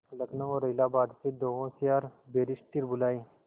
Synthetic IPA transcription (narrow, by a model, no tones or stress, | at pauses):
lɐkʰnõɔɾɐɪlaːbaːd̪sed̪oːɦõsijaːɾbeːɾɪʃʈ̪iɾbʊlaːeː